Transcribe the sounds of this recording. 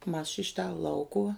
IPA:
mɐs ʃʲɪ ˈʃʲɪtɐ ˈlˠɐʊkʊʋɐ

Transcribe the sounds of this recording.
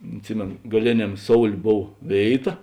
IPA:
ɐtʲˈsʲɪmʲeːnoː ɡɐˈlʲeːnʲɛm ˈsoːʊlʲeː ˈboːw ˈʋʲeːɪˌtɐ

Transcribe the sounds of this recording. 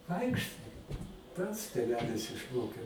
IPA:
ˈʋɐɪkʃtɐɪ ˈpɐts tʲeːˈʋʲæːlʲɪs ɪʃˈmoːkʲeː

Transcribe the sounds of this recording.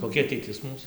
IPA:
koːˈkʲɛ ɐtʲɛɪˈtʲɪs ˈmuːs

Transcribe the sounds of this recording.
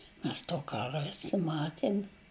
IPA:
ˈmʲɛs toː ˈkɑːrɐ ˈæːsɐm ˈmɑːtʲɛnʲ

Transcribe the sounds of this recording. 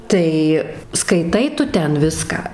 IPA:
ˈtɐɪ skɐɪˈtɐɪ ˈtʊ ˈtʲɛn ˈʋʲɪskɑː

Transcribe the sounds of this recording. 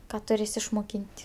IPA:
ˈkɑː tʊˈrʲeːs ɪʃmoːˈkʲiːnʲtʲ

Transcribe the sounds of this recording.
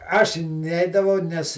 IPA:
ˈɐʃ ˈnʲɛɪdɐʋɐʊ ˈnʲɛs

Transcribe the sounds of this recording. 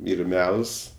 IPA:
ˈiːr ˈmʲɛlˠs

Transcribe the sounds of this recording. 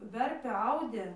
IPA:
ˈʋʲɛrʲpʲeː ˈɐʊdʲeː

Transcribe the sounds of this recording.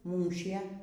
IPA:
ˈmuːʃʲiɛ

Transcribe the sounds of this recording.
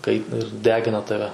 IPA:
ˈkɐɪtʲɪnɐ ɪr ˈdʲæːɡʲɪnɐ ˈtɑːʋʲɛ

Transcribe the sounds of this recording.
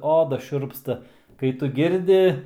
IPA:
ˈoːdɐ ˈʃʲʊrpstɐ kɐɪ ˈtʊ ˈɡʲɪrʲdʲɪ

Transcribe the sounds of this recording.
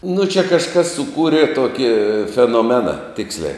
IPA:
nʊ t͡ʃʲɛ kɐʃˈkɐs sʊˈkuːrʲeː ˈtoːkʲɪ fʲɛnoːˈmʲæːnɐ ˈtʲɪksʲlʲɛɪ

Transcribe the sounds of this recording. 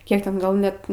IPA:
ˈkʲiɛk ˈtʲɛn ˈɡɐlˠ nʲɛt

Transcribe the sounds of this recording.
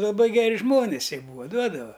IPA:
lˠɐˈbɐɪ ɡʲɛˈrʲɪ ˈʒmoːnʲɪs ˈjiɛ ˈbuːʋɐ ˈduɔdɐʋɐ

